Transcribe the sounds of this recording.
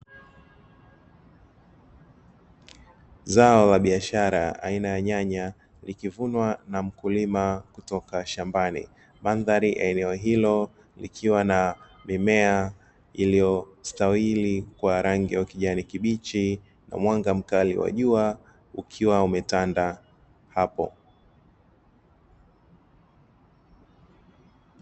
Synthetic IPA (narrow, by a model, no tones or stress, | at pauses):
zaɔlaɓiaʃaɾa̰a̰inajaɲaɲa | likivunwanam̩kulimakutɔkaʃambanḭ | manðaɾiʔɛɛnɛɔɦilɔ | likʰiwana | mimɛa | ilijɔstawilikwaɾaŋɡiwakiʄanikiɓit͡ʃi | na̰mwaŋɡam̩kalḭwa̰ʄua | ukʰiwaumɛtanda | hapɔ̰